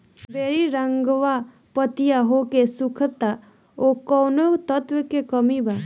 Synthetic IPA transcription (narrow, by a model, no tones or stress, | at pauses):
beːɾiɾəŋɡʋa | pət̪ijaɦokesukʰt̪a | okɔnot̪ət̪ʋəkekəmiba